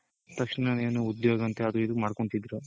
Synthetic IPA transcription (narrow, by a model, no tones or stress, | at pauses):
t̪ɐkʂnɐneːnuud̪joːɡɐɐnt̪eɐd̪uid̪umaːɖkoɳt̪id̪ɾu